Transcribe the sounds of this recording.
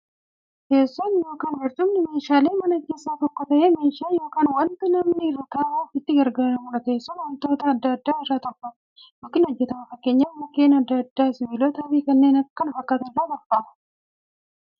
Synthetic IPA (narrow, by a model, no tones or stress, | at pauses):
ke̞ːsːɔnjo̞ːkaːnwɐɾt̪ʊmnɪme̞ːʃaːleːmɐnɐke̞ːsːaːt̪ɔkːɔt̪ɐʔeːme̞ːʃaːjo̞ːkaːnwɐnt̪ɪnɐmnɪrːɐt̪aːʔuːfɪt̪ːɪɡɐɾɡaːɾɐmʊlɐke̞ːsːɔnwɐnt̪o̞ːt̪ɐːd̪ːɐd̪ːaːɪrːaːt̪ɔbɐ | joːkːɪnɔd͡ʒːɛt̪ɐmɐfɐkːe̞ːɲːamɐkːeːnɐd̪ːɐd̪ːaːsɪbiːloːt̪ɐwiːkɐnːe̞ːnɐkːɐnʊfɐkːɐt̪ɐɪraːbɐɾbaːɐ